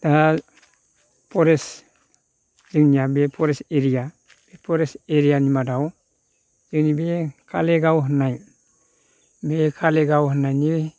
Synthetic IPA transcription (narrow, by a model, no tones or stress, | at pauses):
da | poɾes | ziŋɲiabepoɾeseɾija | b̥epoɾeseɾianimadaw | d͡ʒ̥ənibekʰaleɡawohnaj | bekʰaleɡawhnani